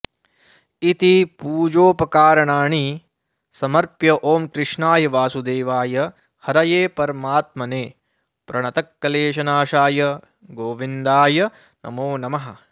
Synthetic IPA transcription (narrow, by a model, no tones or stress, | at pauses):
it̪ipuːd͡ʒoːpɐkaːɾɐɳaːɳi | sɐmɐɾpjɐʔoːmkɾɪʂɳaːjɐʋaːsud̪eːʋaːjɐ | hɐɾɐjeːpɐɾmaːt̪̚mɐneː | pɾɐɳɐt̪ɐkːɐleːʃɐnaːʃaːjɐ | ɡoːʋind̪aːjɐ | nʔɐ̰moːnɐmɐɦɐ